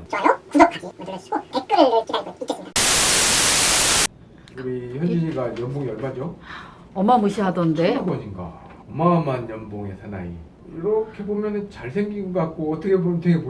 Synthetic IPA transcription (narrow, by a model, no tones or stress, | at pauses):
t͡ɕ͈ʌjʌkud͡ʑʌkʰaɡimadɯɾjeɕ͈i̥ɡ̥okek͈ɯɾeɾk͈iɾanɡʌik͈ːeinmda | uɾiçjʌnd͡ʑiɲiɡajʌnboŋiʌɭmad͡ʑo | ʌmamɯɕʰiɦadʌnde̞bʌɲiŋɡa̰ | ʌmaʌmanjʌnboŋe̞sʰana̰ḭ | iɾʌkʰe̞bomjʌnɯnt͡ɕaɭsʰe̞ŋɡiɡokak̚k͈oʌtʰʌkʰebtʰekʰebo